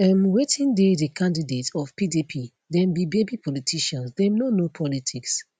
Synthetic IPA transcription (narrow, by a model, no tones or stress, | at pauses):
amwetʰĩndedəkʰãndidetɔfpidipʰi | dɛ̃mbibebipʰɔlitʰiʃãnsdɛmnonopʰɔlitʰiks